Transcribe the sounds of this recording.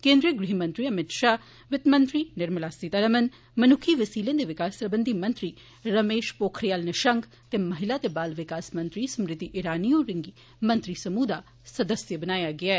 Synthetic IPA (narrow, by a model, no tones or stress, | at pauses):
kẽːnd̪ɾiəɡɾiɦimə̃nt̪ɾiːəmɪt̪ʃaː | ʋɪt̪mə̃nt̪ɾiːnɪɾməlaːsiːt̪aɾəmən | mənʊkʰiːʋəsiːlẽːd̪eːʋɪkaːspɾəbənd̪imɐ̃nt̪ɾiː | ɾəmeːʃpoːkʰɾɪjaːlneʃəŋɡ | t̪eːməɦɪlaːt̪eːbaːlʋɪkaːsmə̃nt̪ɾiːsəmɾɪt̪iʔɪɾaːnijõɾɪŋɡiː | mə̃nt̪ɾiːsəmuːd̪aː | səd̪əsjəbənaːjaɡɪaːɛː